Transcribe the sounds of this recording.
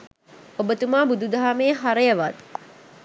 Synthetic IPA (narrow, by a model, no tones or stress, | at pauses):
obət̪umaːbud̪ud̪ʱaɦameːɦaɾəjəʋat̪